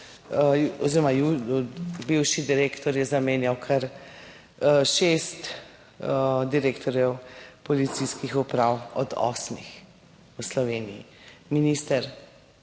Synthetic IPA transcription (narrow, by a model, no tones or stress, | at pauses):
ɔziːɾɔmaju | biwʃid̪iɾeːkt̪ɔɾjɛzameːnjawkʰaɾ | ʃest̪ | d̪iɾeːkt̪ɔɾjɛwpɔlit̪siskixupɾawɔd̪ɔ̰ːsmix | uslɔʋeːnijḭ | minist̪əɾ